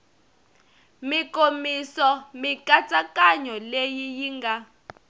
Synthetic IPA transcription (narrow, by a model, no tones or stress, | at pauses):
mikʼomisɔmikʼat͡sʼakʼaɲɔlejijiːŋɡʱa